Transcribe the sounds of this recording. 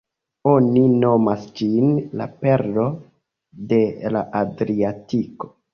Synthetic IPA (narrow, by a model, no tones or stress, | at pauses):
o̞nino̞masd͡ʒinla̰pe̞ɾdo̞ | de̞la̰ʔadɾiatiko̥